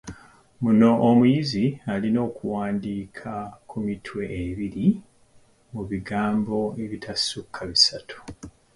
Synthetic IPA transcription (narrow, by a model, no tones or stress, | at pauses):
muno̞ʔːmujizialino̞ːkuwaːndiːkʰakumitʰwe̞ʔːβiɾi | muβiɡaːmbo̞eβitʰasukʰːaβisatʰu̥